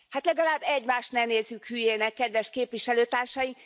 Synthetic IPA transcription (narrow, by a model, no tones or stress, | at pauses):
hat̪lɛɡɒlaːbːɛɟmaːʃt̪nɛneːzːykhyːjeːnɛkːɛd̪ʋɛʃkeːpʋiʃɛløːt̪aːrʃɒji